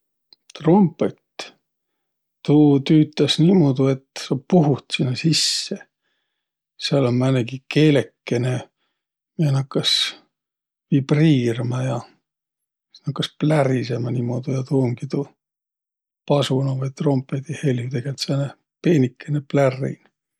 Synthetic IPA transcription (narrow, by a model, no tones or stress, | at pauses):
t̪ro̞mpˑet̪ | uːt̪yːt̪ːˑɑsniːmo̞d̪ue̞t̪sɑpuɦut̪sinːɑsisːe̞ | seɑlonmæneɡike̞ːle̞kːe̞ne̞ | mienɑkːˑɑs | vib̥riːrmɑjɑ | nɑkːɑsplærise̞mɑniːmod̪̥ujɑt̪uːmkit̪u | pɑsunɑvɑjt̪ro̞mpːˑet̪ihe̞ljut̪eɡ̥elt̪seɑne | peːnikːeneplærːḭn